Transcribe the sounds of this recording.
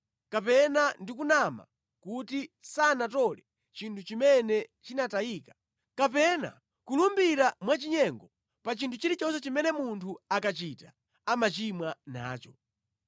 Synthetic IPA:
kapɛnandikunama̰ | kutisanatɔlɛ | t͡ʃintʰut͡ʃimɛnɛt͡ʃinataiːkḁ | kap̬ɛna̰ | kulumbiɾamwat͡ʃiɲɛŋɡɔ | pat͡ʃintʰut͡ʃiɾit͡ʃɔnsɛt͡ʃimɛnɛmuntʰuakat͡ʃitḁ | amat͡ʃimwana̰ːt͡ʃɔ

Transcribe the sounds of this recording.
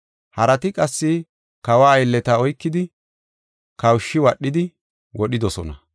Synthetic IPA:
hɐɾɐt̪ɪkʼɐsːɪ | kɐwaːjlːɛt̪aɔjkːɪd̪ɪ | kɐwʃːɪwɐɗːɪd̪ɪ | wɔɗɪd̪ɔsɔ̰nɐ̰

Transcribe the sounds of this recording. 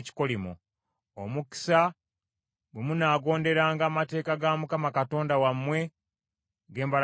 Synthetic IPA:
ci̥ko̞limo̰ | omuki̥sa | bwemunaːɡo̞ːnde̞ɾaːŋɡaːmate̞ːkaɡamukamakato̞ːndawamːwe̞ | ɡe̞ːmbal

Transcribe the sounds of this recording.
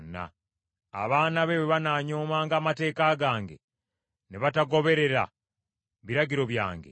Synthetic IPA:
na̰ː | βaːnaβe̞weβanaːɲo̞ːmaːŋɡaːmate̞ːkaɡaːŋɡe̞̰ | neβataɡo̞βe̞ɾe̞ɾa̰ | βiɾaɟiɾo̞βja̰ːŋɡe

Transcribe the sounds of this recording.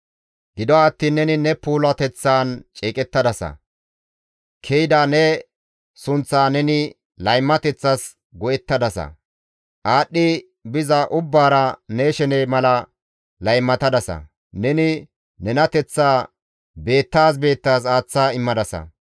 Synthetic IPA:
ɡɪd̪ɔaːt̪ːiːnːɛnɪnɛpuːlɐt̪ɛt͡sːaːnt͡ʃʼeːkʼɛt̪ːɐd̪ɐsɐ̰ | kʰɛjɪd̪aːnɛ | sʊnt͡sːaːnɛnɪ | lɐjmːɐt̪ɛt͡sːɐs | ɡɔʔɛt̪ːɐd̪ɐsɐ̰ | ʔaːɗːɪ | bɪzɐʔʊbːaːɾɐneːʃɛnemɐlɐ | lɐjmːɐt̪ɐd̪ɐsɐ̰ | nɛnɪ | nɛnɐt̪ɛt͡sːaː | be̞ːt̪ːaːs̬be̞ːt̪ːaːs̬aːt͡sːaːɪmːɐd̪ɐsɐ̰

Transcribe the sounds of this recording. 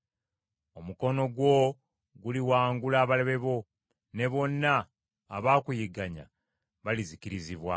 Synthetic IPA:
o̞muko̞no̞ɡwo̞ | ɡuliwaːŋɡulaːβale̞βe̞βo̞ | ne̞βo̞nːaː | βaːkujiɡaɲa̰ | βalizikiɾiziβwa̰

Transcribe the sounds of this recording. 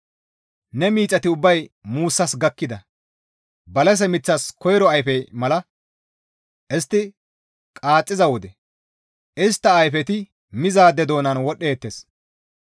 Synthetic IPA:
nɛmiːt͡sʼːɐt̪ɪʊbːɐjmuːsːɐsɡɐkːɪd̪ɐ | bɐlɛs̬ɛmɪt͡sːɐskɔjɾɔɐjfɛmɐlɐ | ʔɪst̪ːɪ | kʼaːt͡sʼːɪzɐwɔd̪ɛ | ʔɪst̪ːɐːjfɛt̪ɪ | mɪzaːd̪ɛd̪o̞ːnɐnwɔɗeːt̪ːes

